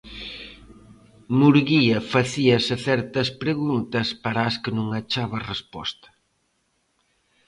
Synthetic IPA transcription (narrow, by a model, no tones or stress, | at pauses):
muɾɣiɐfɐθiɐsɪθɛɾt̪ɐspɾeɣunt̪ɐspaɾaːskɪnũŋɐt͡ʃaβɐrespɔ̰st̪ɐ̥